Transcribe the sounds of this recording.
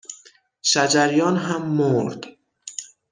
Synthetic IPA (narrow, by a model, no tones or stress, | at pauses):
ʃæd͡ʒæɾjɒːnɦæmːoɾd̪̥